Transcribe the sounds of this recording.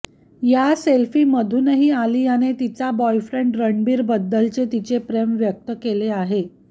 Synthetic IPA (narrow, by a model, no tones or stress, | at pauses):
jaselfiːməd̪ʱuːnɦiːaliːjanet̪it͡sabɔjfɾeɳɖɾəɳɖbiːɾbəd̪ːəlt͡set̪it͡sepɾemʋjək̚t̪əkeleaɦe